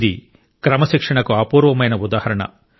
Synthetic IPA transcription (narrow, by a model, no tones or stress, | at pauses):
d̪i | kɾɐmɐʃikʂɐɳɐkuaːpuːɾʋɐmɐjnɐud̪aːhɐɾɐɳɐ̰